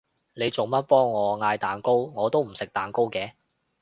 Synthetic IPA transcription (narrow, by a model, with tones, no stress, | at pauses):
ne˨˧jt͡so˨˩wmɐ˥t̚pɔː˥ŋːɔː˨˧ŋaː˧jt̪aː˨˩nko˥wŋɔː˨˧t̪o˥wm̩˨˩sɪ˨k̚t̪aː˨˩nko˥wkɛː˧